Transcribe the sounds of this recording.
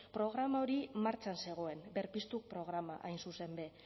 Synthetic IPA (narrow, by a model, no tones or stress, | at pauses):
pɾo̞ɣ̞ɾamaoɾimaɾt͡ʃanse̞ɣ̞o̞e̞mbeɾpist̪uk̚pɾo̞ɣ̞ɾamaʔajnsuse̞mbe̞